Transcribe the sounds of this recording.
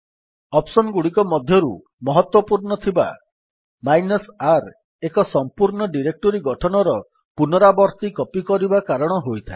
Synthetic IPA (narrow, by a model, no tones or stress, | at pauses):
ɔpsɔnɡuɽikɔmɔd̪ʱjɔɾu | mɔɦɔt̪wɔpuɾɳɔt̪ʰiba̰ | majnɔsaɾ | ekɔsɔmpuɾnɔɖiɾek̚ʈɔɾiɡɔʈʰɔnɔɾɔ | punɔɾabɔɾt̪ikɔpikɔɾibakaɾɔɽ̃ɔɦojt̪ʰaɪ